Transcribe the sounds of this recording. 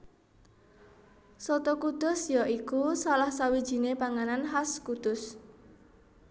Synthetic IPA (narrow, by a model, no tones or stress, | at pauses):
sot̪okud̪̥ɔ̤sjɔʔikusalahsawid̥ʒ̥i̤nepaŋananɦaskud̪̥ʊs